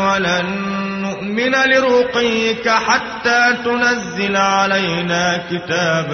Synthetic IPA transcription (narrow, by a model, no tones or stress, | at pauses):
walanː | ʊʔmɪnalɪɾʊqiːkaħat̪ːaːt̪ʊnazːɪlʕalajnaːkɪt̪aːb